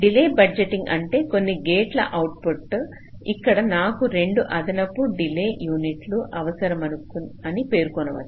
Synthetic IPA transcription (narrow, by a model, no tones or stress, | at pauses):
ɖileːbɐd͡ʒeʈːiŋɡɐɳʈe̞ːko̞nːiɡeːʈlɐ̰ʔɐwuʈ̚poʈː | ikːɐɽɐnaːkuɾe̞ɳɖuʔɐd̪ɐnɐpːuɖileːjuːniʈluʔɐʋɐsɐɾɐmɐnukunɐnipe̞ːɾukɔnɐʋɐ̰d̪i